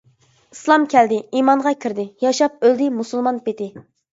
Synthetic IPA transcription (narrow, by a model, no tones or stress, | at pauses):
ɨslˠɑmkʲʰɛld̪ɪimɑŋʁɑkʲʰiɾd̪ɪjɑʃɑp̚øld̪ɪmusɨlˠmɑnpet̪ɪ